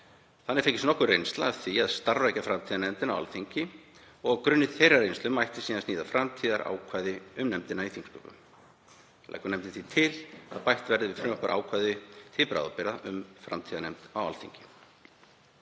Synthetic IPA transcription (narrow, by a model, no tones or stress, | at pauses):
θanːɪɾfehcːɪstnɔhkʏrejnst̪la̰ːθviaðst̪aɾvajcafɾamt̪ʰiːðanɛmt̪ɪna̰wa̰lθiɲcɪ | ɔɣɣkɾʏnːɪθejɾaɾrejnst̪ʏmajht̪ɪ̥siːnansniːðafɾamt̪ʰiːðaɾa̰ːwkʰvaːjðɪʏmnɛmt̪ɪnaiθiŋkskɔ̰ːpʏ̰m | lʔa̰jkʏɾnɛmt̪ɪθit̪ʰɪla̰ðpajht̪vɛɾðɪvɪðfɾʏmœhpaɾʔa̰ːwkʰvajðʏt̪ʰɪlpɾa̰wðapɛɾaʔʏmfɾa̰mt̪ʰiːðanɛmt̪awalθiɲcɪ̥